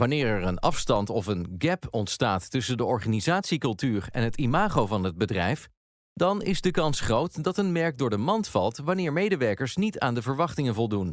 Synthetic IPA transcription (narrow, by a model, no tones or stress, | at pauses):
ʋɑnɪːɹɛɹənɑfstɑntɔfənɡɛpɔntstaːtːɵsəndəɔɹχaːnizaːtsikɵlˠtyːɹɛ̰nɦətimaːχowvɑnɦəd̚bədrɛjf | dɑnɪ̰zdəkɑnsχrowtdɑtənmɛɹk̚dʊːɹdəmɑntfɑlˠtʋɑnɪːɹmejdəʋɛɹkəɹsnita̰ːndəvəɹʋɑχtɪŋənvɔlˠdun